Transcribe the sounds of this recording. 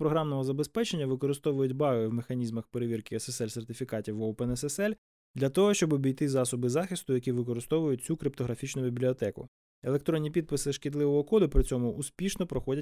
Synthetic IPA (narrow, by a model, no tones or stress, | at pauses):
pɾɔɦɾɑmnɔɦɔzɐbespɛt͡ʃenʲːɐʋɪkɔɾɪst̪ɔʋʊjʊtʲbɑɦɪwmexɐnʲizmɐxpeɾeʋʲirkɪɔsesɛlʲsert̪ɪfʲikɑtʲiwɔpɛnɛsɛsɛlʲ | d̪lʲɐt̪ɔɦɔʃt͡ʃɔbɔbʲijt̪ɪzɑsɔbɪzɑxɪst̪ʊjɐkʲiʋɪkɔɾɪst̪ɔʋʊjʊt̚ʲt͡sʲukɾɪp̚t̪ɔɦɾɐfʲit͡ʃnʊbʲibʲlʲiɔt̪ɛkʊ̰ | elˠekt̪ɾɔnʲːipʲid̪̚pɪsɪʃkʲɪd̪lˠɪʋɔɦɔkɔd̪ʊpɾɪt͡sʲɔmʊʔːspʲiʃnɔpɾɔxɔdʲɐtʲ